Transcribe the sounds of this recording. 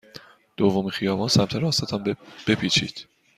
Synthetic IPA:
d̪̥ovːomixijɒːbɑːnsæmt̪ʰæɾɒːsæt̪ʰɒmb̥epʰiːt͡ʃʰḭːd̪̥

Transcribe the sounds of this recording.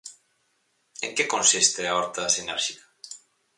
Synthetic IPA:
ẽŋkekõnsist̪eaoɾt̪asinɛɾʃikḁ

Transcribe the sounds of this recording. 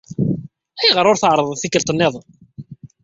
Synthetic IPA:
æjʁəɾˤʊɾθəʕɾˤəðˤθikːəlt̪ˤənːeðˤ

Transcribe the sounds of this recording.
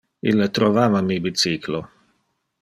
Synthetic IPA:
ḭlːet̪ɾovaːvamibit̪siklo

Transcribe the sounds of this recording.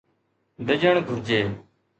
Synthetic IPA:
d̪əd͡ʒəɳɡʱʊɾd͡ʒeː

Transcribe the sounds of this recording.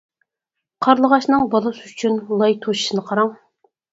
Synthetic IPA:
qʰɑɾlˠəʁɑʃnɨŋbɑlˠɨsɨyt͡ʃʰynlˠɑjt̪ʰoʃi̥ʃinɨqʰɑɾɑŋ

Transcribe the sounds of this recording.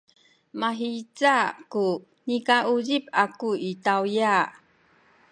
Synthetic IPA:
maɦit͡saku | nikaʔuzipakuitawja

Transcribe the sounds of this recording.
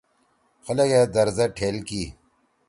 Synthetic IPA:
xɐlɐɡed̪ɐɾzɐʈʰeːlki

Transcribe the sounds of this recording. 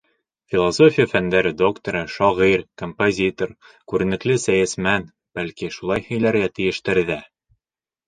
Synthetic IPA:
fʲilˠoso̞fʲijfænd̪æɾɘd̪o̞kt̪oɾɤʃɒʁiɾkompozʲit̪or | kʉɾɘ̆nɘ̆klɘsæjæsmæn | b̥ælkiʃulˠɑjhɘ̆jlæɾɡæt̪ɘ̆jɘ̆ʃt̪ɘ̆ɾðæ

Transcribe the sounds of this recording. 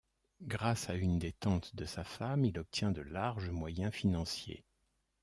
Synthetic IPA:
ɡʁasaynd̪et̪ɑ̃t̪d̪əsafamilɔp̚t̪jɛ̃d̪əlaʁʒəmwajɛ̃finɑ̃sjḛ

